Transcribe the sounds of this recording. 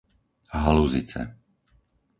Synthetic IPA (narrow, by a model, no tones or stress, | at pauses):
ɦaluzḭt͡sɛ̰